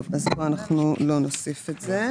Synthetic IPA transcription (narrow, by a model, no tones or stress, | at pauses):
vazboanaχnulo̞nosifetze